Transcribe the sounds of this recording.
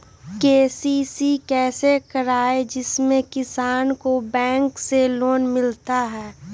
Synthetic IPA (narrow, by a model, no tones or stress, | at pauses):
keːsiːsikɛːsekɐɾaːed͡ʒɪsmẽkɪsaːnkobɛ̃ːŋkseloːnmɪlt̪aɦɛː